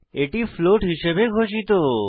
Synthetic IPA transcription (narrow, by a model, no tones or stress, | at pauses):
eʈifloʈɦiʃebeɡʱot͡ɕit̪o